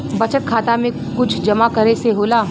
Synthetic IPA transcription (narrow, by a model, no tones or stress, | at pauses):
bɐt͡ʃət̪̚kʰaːt̪amẽ | kʊt͡ʃʰd͡ʒɐmakɐɾeseɦoːlaː